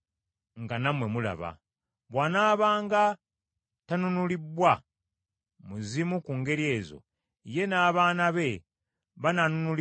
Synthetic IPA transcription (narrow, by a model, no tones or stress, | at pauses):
ŋɡanamwe̞mula̰βa̰ | βwaːnaːβaːŋɡa | tanunulibwa | muzimukuŋɡe̞ɾie̞ːzo̞̰ | je̞naːβaːnaβe̞ | βananunul